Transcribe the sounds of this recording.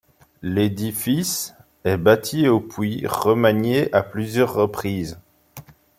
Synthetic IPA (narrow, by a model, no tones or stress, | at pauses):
led̪ifis | ɛbat̪ʰiopwiʁəmaɲeʔaplyzjœʁːəpχiːz